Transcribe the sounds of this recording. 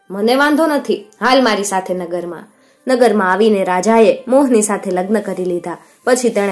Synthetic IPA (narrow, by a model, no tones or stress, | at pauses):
məneʋãnd̪ʱonət̪ʰiɦalmaɾisat̪ʰenəɡəɾmã̰ | nəɡəɾmãaʋineɾad͡ʒaemoɦnisat̪ʰeləɡnəkəɾilid̪a | pət͡ʃʰit̪eɽ